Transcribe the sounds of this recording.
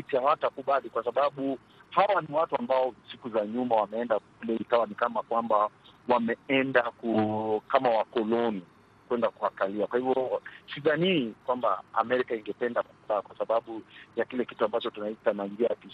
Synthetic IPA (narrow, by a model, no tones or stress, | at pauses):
itaatakuɓalikwasaɓaɓu | hawaniwatuambaɔsikuzaɲumawamɛɛndakulɛikawanikamakwambawamɛɛndakukamawakɔlɔni | kwɛndakuakaliakwahivjɔsiðanikwamba̰a̰mɛɾikaiŋɡɛpɛndakuɓakwasaɓaɓujakilɛki̥tuambat͡ʃɔtunaitanaiŋɡiaki